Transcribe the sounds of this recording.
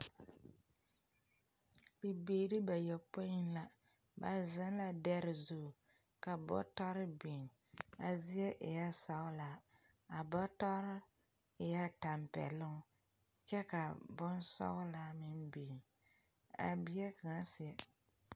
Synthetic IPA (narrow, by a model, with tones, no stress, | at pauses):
bi˨beː˨ɾi˦ba˨jɔ˨po˦ɪ˦nla˦ | ba˨za˦n˦la˨dɛ˦ɾɪ˨zu˦˨ | ka˨bɔ̰˦tɔ˦ɾɪ˦bi˨ŋ | a˨zi˦ɛ˦ʔɪ̰˨ja˦sɔ˨˦ʊ˦la˨ | a˨bɔ˦tɔ˦ɾɪ˦ | ɪ˨ja˦ta˨mpɛ̰˨lʊ˦ŋ˦ | t͡ʃɛ˦ka˨bʊ˦nsɔ̰˦ɣʊ˦la˦mɪ˦nbe˨ŋ | a̰˨bɪ˦ɛ˦ka˨ŋa˦sɪ˨ɛ˦